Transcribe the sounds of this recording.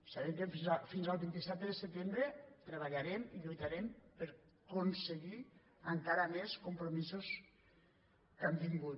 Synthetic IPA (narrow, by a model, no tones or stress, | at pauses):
saβemkəfizafinzalˠβint̪isɛt̪ðəsət̪embɾət̪ɾəβaʎaɾemiʎujt̪aɾɛmpəɾ | konsəɣi | əŋkaɾameskumpɾomizus | kamd̪iŋɡu